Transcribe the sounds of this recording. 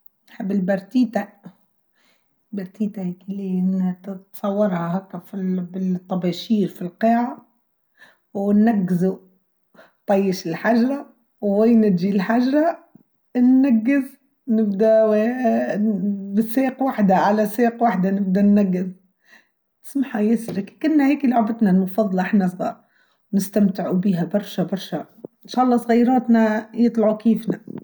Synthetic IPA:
nħɪbːɪlbɑɾˤt̪iːt̪a | lbɑɾˤt̪iːt̪ahikilinhæt̪sˤɑwːɑɾˤhahækːæfibɪt̪ˤːɑbɑʃiːɾfilqeːʕa | wnːaɡːɪzu | t̪ˤɑjːəʃɪlħaʒɾˤa | wwæjnɪt̪ʒilħaʒɾˤa | nːæɡːɪz | nɪbd̪aw | bɪsːeːqwaħd̪aʕalaseːqwaħd̪anɪb̚d̪anːaɡːɪz | tɪ̥smaħajɪslakkʊnːaheːkilʊʕbɪt̪nalmʊfɑðˤːɑlʔɪħnasˤɣɑ | nɪst̪amt̪ɪʕubiːɦabɑɾˤʃabɑɾˤʃa | ɪnʃaːʔɑlˤːɑːsˤɣajɾɑːt̪najɨt̪ˤlɑʕukiːfna

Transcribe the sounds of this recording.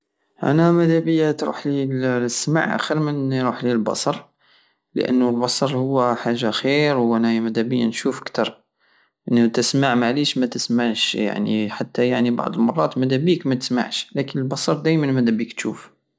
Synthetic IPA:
ʔæ̰næmæd̪æbəjːat̪ɾṵħlilsːma̰ʕʔæ̰xəɾmənjɾuħlilbɑ̰sˤɑɾˤ | lə̰ʔə̰nːulbɑsˤɑɾˤhʊwːæħaʒːaxiɾwʔænæmæd̪æbəjːa̰nʃufəkt̪ɑɾˤ | ʔənːut̪əsmaʕmaʕliʃmæt̪əsmaʕʃja̰ʕnḭħat̪ːæjaʕnibɑ̰ʕd̪ˤəlmɑrˤːɑ̰t̪mæd̪æbikmæt̪ə̥sma̰ʕʃlækənəlbɑsˤɑɾˤd̪æjmənmæd̪æbikt̪ʃṵf

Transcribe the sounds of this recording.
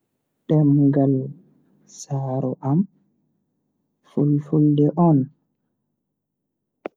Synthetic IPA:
ɗɛmɡal | saːɾɔʔam | fulfuldɛʔɔn

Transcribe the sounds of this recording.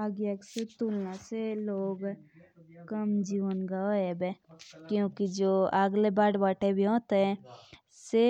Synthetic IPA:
aɡjakset̪ulnãseloːɡ | kəmd͡ʒiːʋənɡaoebekjõːkid͡ʒoːaɡlebaːɽʋaːʈebʱiɦõːt̪eɦɛ̃ | se

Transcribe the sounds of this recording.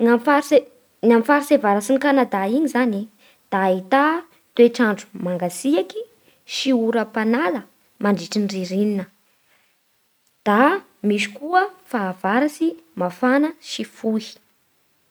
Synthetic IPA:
ŋafaɾe | ŋamifaɾisevaɾasinikanad̪aiɲizani | d̪̥ait̪a | t̪ueʈ͡ʂaɳɖ͡ʐumaŋɡasiaki | ʃiuɾəpanalə | maɳɖ͡ʐiʈ͡ʂinriɾininə | d̪̥a | misi̥kuəfaːv̥aɾasimafanəʃifuhi̥

